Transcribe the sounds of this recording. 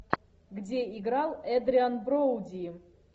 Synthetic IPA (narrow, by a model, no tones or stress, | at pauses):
ɡdʲeiɡɾalˠɛd̪ɾʲianbrowdʲi